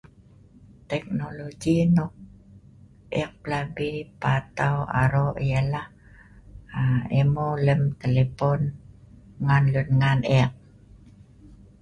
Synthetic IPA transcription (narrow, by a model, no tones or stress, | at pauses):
t̪ɛk̚noloɡinok̚ | ʔɛk̚pəlabipat̪awa̰ɾoʔəjəlah | aemoləmt̪elepon | ŋanlunŋaneq̚